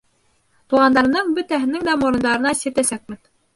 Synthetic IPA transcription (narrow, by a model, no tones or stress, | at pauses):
t̪uʁɑnd̪ɑɾɤ̆nɤɴbɵ̆t̪æɦɘ̆nɘŋd̪æmŏɾɤ̆nd̪ɑɾɤ̆nɑsɘ̆ɾt̪æsæk̚mɘn